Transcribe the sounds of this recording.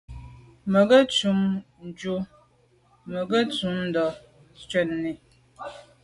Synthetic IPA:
mə˨ɡə˦t͡ʃu˨˦mn̩˨d͡ʒu˦ | mə˨ɡə˦t͡su˨˦mn̩˦dɔ˨ | t͡ʃɥɛ˨nːi˨

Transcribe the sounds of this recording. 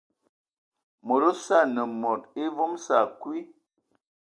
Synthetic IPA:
mo˨ɾo˦sa˦˨nə˨mɔ˨t̚i˦vo˦msa˨kwi˦

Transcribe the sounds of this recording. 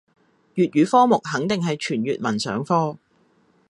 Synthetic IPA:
jyː˨t̚ɥyː˨˧˥fɔː˥mʊ˨k̚hɐ˨˥ŋt̪ɪ˨ŋɦɐ˨jt͡ʃʰyː˨˩njyː˨t̚mɐ˨˩nsœ̰ː˨˥ŋfɔː˥

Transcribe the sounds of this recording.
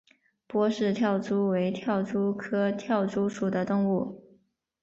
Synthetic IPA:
pwɔ˥ʂɻ̩˥˧t̪ʰjɑ˥˩ʊʈ͡ʂu˥we˧˥ɪt̪ʰjɑ˥˩ʊʈ͡ʂu˥kʰɤ˥t̪ʰjɑ˥˩ʊʈ͡ʂu˥ʂu˨˩d̪ə˦t̪ʊ˥˧ŋu˥˩

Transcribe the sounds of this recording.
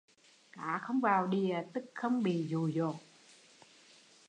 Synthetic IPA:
kaː˨˦xə˧wŋ͡mvaː˨˩wɗi˧ə˨˩t̪ɨ˦˥k̚xə˧wŋ͡mɓḭ˧˨zu˨˩zo˨˩t̚

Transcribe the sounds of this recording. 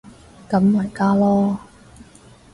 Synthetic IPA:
kɐ˨˥mwaː˨˩jkaː˥lɔː˥

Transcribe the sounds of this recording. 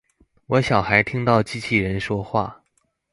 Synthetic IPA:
wɔ˧˥ɕjɑ˨˩ʊxa˧˥ɪt̪ʰi˥ŋt̪ɑ˥˩ʊt͡ɕi˥t͡ɕʰi˥˩ɻə˧˥nʂwɔ˥xwa̰˥˩

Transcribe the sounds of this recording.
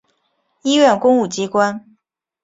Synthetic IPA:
i˥ɥɛ˥˩nkʊ˥ŋu˥˩t͡ɕi˥kwa˥n

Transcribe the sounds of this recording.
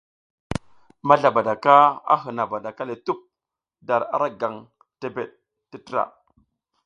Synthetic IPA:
ma˦ɮa˨ba˨da˨ka˦a̰˦ɦə˨na˨ba˨da˨ka˦le˨tu˦p̚ | da˨ɾa̰˨ɾa˦ɡa˨ŋ | te˨be˨ɗ̚ | ti˦tə˦ɾa̰˨

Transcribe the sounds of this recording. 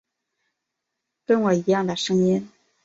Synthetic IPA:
kə˥nwɔ˨˩i˧˥jɑ˥˩ŋd̪ə˩ʂɤ˥ŋi˥n

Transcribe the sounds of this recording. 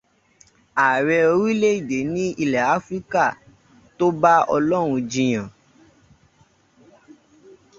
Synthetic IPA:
a˨ɾɛ˧o˧ɾi˦le˦i˦˨de˨˦nĩ˦i˧lɛ˨a˨˦fɾi˦ka˦˨ | to˦ba˦ɔ˧lɔ˦ɾ̃ũ˧d͡ʒĩ˧j̃ã˨

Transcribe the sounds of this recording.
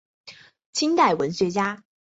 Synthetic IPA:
t͡ɕʰi˥ŋt̪a˥˩ɪwə˧˥nɕɥɛ˧˥t͡ɕja˥

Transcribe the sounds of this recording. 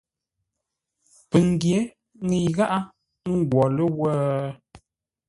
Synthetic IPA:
pə˨ŋ˨ɡje˨˦ | ŋə˨ɣa˦ʔa˦ | ŋ˦˨ɡwɔ˨lə˦wə˦

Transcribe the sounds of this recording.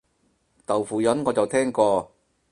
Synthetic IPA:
t̪ɐ˨˩wfuː˨jɐ˨˥nŋɔː˨˧t͡sɐ˨wt̪ʰɛː˥ŋkɔː˧

